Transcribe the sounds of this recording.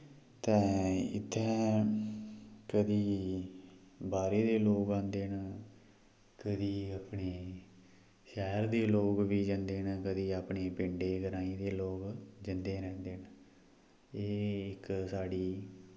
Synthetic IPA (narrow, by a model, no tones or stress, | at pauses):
t̪ɛ̃ːɪ̰t̪ʰːɛː | kəd̪iː | baːɾeːd̪eːloːɡãːnd̪eːn | kəd̪iːaːpɳeː | ʃɛːɾd̪eːloːkʋiːd͡ʒənd̪eːnkəd̪iːaːpɳeːpɪɳɖeːɡəɾãːĩːd̪eːloːɡd͡ʒɪnd̪eːɾɛ̃ːnd̪eːn | eːɪksaːɽiː